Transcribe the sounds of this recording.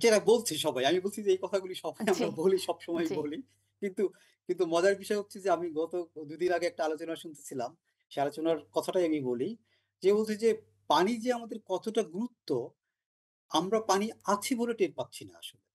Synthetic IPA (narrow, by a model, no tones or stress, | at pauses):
t͡ɕeʈabolt͡ɕʰiʃɔbajamibolt͡ɕʰid͡ʑeejkɔt̪ʰaɡuliʃɔbajamɾaboliʃɔbʃomɔjboli | kint̪u | kint̪umɔd͡ʑaɾbiʃɔeɦotːt͡ɕʰed͡ʑeamiɡɔt̪od̪ud̪inaɡeɛk̚ʈaalot͡ɕonaʃunt̪e̥t͡ɕʰilam | ʃealot͡ɕonaɾkɔt̪ʰaʈajamiboli | d͡ʑebolt͡ɕʰid͡ʑe | panid͡ʑeamad̪eɾkɔt̪oʈaɡuɾut̪ːo | amɾapaniat͡ɕʰiboleʈeʈ̚patːɕʰinaa̰ʃole